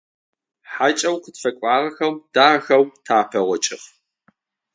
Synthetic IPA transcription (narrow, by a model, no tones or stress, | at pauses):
ħaːt͡ʃʼɐwqʰʷʊtfɐkʷʼaːrɐxɐwd̥aːxɐwtʰaːpʰɐʁʷɔt͡ʃʼɪf